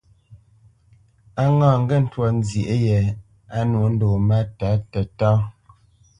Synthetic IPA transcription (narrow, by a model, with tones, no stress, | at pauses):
a˦ŋãː˦˨ŋ̩˦ɡɛ˦˨n̩˦twɔ˨n̩˦zje˨ʔe˦jɛ˨ | a˦nwo˨˦n̩˦doː˨ma˦ta˨˦tɛ˨tɔ̃ː˦